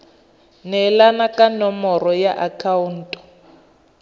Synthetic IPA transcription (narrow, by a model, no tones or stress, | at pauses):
nɛlanakanɔmɔrɔjaʔakʰaun̩tʼɔ̥